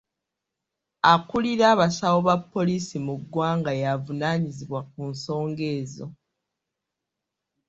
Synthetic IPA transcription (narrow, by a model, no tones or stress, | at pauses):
akuliɾaːβasawo̞βapːo̞liːsimuɡːwaːŋɡajavunaɲiziβwak̚unso̞ːŋɡe̞ːzo̞